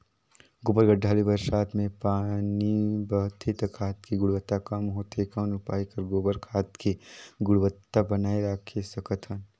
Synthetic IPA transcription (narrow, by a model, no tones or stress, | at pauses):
ɡoːbəɾɡəɖʱːaːlibəɾʃaːt̪ʰmẽpaːnibɐɦʊt̪ʰet̪əkʰaːt̪kiɡʊɽwət̪ːakamɦoːt̪ekanʊpaːikəɾɡoːbəɾkʰaːt̪keɡʊɽwət̪ːabɐnaːeɾaːkʰesɐkət̪ʰɦən